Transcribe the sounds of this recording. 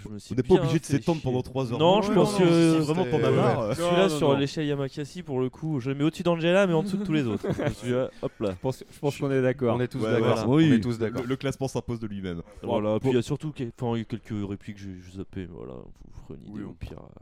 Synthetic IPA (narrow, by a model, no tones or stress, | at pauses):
ʒəməsɥiɔ̃nɛbpaõɛ̃bliiʒed̪əsset̪ɑ̃d̪ʁpɑ̃d̪ɑ̃t̪χwazœʁnɔ̃ʒəpɑ̃skəvʁɛmɑ̃tɔ̃mavaaʁsilasyʁleʃɛljamakʲasipuʁləkʰuʒəemɛod̪əsyd̪ɑ̃ʒelamɛɑ̃d̪əsud̪ət̪ːulezot̪χʒəsiaɔplaəpɑ̃sʒəpɑ̃skɔ̃nɛd̪akɔʁɔ̃nɛt̪uswɛaɔawiɛt̪usd̪aələklasmɑ̃sɛ̃pozd̪əlɥimɛmvvalapijasyʁt̪ukɛ̃fɛ̃kʲɛlkʲəʁeplikʒeʒuzapɛ̰vwa̰la̰ɔ̰̃vufʁey̰nḭd̪ḛɔ̰̃pʰḭʁa̰